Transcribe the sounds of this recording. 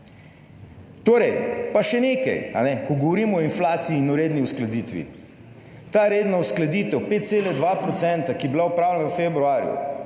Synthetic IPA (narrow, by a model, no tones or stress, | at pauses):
t̪oːɾɛjpaʃɛneːkɐ̰ja̰nɛkɔɡɔʋɔɾiːmɔɔinflaːt̪siiːnɔɾeːd̪niusklad̪iːt̪ʋḭ | t̪aɾeːd̪nausklad̪iːt̪ɛwpeːt̪̚t̪seːlɛd̪ʋapɾɔt̪sɛnt̪akibilaupɾaːwlɛnafebɾuaːɾjṵ